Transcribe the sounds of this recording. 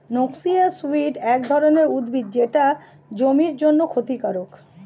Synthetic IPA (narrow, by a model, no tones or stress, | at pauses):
noksiasuiʈɛk̚d̪ʱɔɾoneɾud̪bʱid̪̚d͡ʑeʈa | d͡ʑomiɾd͡ʑonːokʰot̪ikaɾok